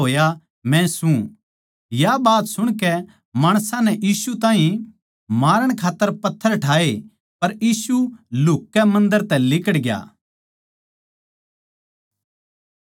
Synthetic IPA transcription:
oːja | mɛ̃sũ | jabaːt̪sʊɽ̃kɛ | maːɽ̃sãnɛʔiːsut̪ãːɦĩ | maːɾəɽ̃kʰaːt̪ːəɾpɐt̪ʰːəɾʈʰaːe | pɐɾjiːsulʊkːɛmɐ̃nd̪əɾt̪ɛ̃lɪkəɽɡja̰ː

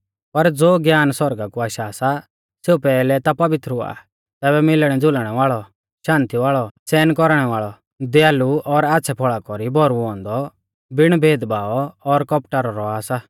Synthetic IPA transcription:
pɐɾd͡zoːɡjaːnsɔɾɡakuaːʃaːsa | seupɛːlɛt̪apɐʋɪt̪ɾɦʊa̰ | t̪ɛːbɛmɪlɽ̃ɛd͡zʊlɽ̃ɛʋaːɭɔ | ʃãːnt̪iʋaːɭɔt͡sɛːnkɔɾɽ̃ɛʋaːɭɔ | d̪jaːluɔɾaːtːsʰɛpʰɔɭakɔɾibʱɔɾuɔ̃ːnd̪ɔ | bɪɽ̃bʱeːd̪baːɔɔɾkɔpʈaɾɔɾɔaːsa

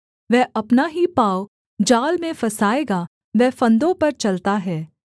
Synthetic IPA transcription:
ʋɛɦʔɐpnaɦipaːo | d͡ʒaːlmẽfɐsaːeːɡa | ʋɛːfɐ̃nd̪õpɐɾt͡ʃɐlt̪aɦɛː

